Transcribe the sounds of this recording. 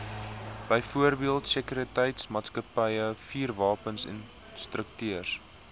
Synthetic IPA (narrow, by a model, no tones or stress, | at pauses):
b̥əjfuərbiəlˠtsəkyɾətəjtsmɑːtskəpəjəfiːrvɑːpənsɛ̰n | strəktyərs